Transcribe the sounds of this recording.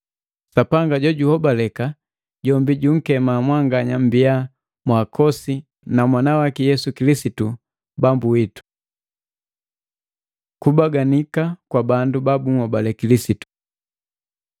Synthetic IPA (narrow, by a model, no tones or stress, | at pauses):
sapaŋɡaɟɔɟuhɔbalɛka | ɟɔmbiɟuŋ̩kɛmamwaŋɡaɲambia | mwakʰɔsi | namwanawakɛjɛsukilisitu | bambuwitu̥ | kubaɡanikakwabandubabuŋɔbalɛkilisitu̥